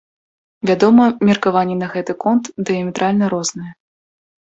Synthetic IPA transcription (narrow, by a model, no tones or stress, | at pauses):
vʲad̪ɔmɐmʲɛrkavanʲːɛnɐɣɛt̪ɨkɔnt̪d̪ɨjɐmʲɛt̪ɾalʲnɐɾɔznɨjɐ